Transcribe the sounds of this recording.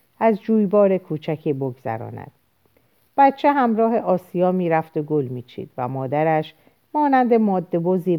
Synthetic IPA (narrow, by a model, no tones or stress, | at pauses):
æzd͡ʒuːjbɒːɾe̞kʰuːt͡ʃʰæcʰiːboɡzæ̰ɾɒ̰ːnæ̰d̪̥ | b̥æt̪t͡ʃʰeɦæmɾɒːɦe̞ʔɒːsijɒːmiːɾæft̪oɡolmiːt͡ʃʰḭːd̪̥væ̰mɒːd̪æɾæʃ | mɒːnænd̪e̞mɒːd̪ːe̞boziː